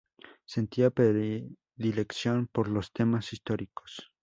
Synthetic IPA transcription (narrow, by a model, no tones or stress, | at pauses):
se̞nt̪iapɾe | ðileksjonpoɾlost̪ʰemasist̪oɾiko̥s